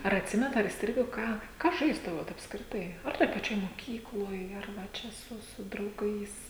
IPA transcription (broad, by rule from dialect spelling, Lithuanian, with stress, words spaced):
ɐr ɐtʲˈsʲɪmʲɛnɐt ɐr iːsʲˈtʲrʲɪɡoː ˈkɑː ˈkɑː ˈʒɐɪzdɐʋoːt ɐpskrʲɪˈtɐɪ ˈɐr toːj pɐˈt͡ʃʲoːj moːˈkʲiːklˠoːj ˈɐr ʋɐ ˈt͡ʃʲɛ ˈsʊ sʊ drɐʊˈɡɐɪs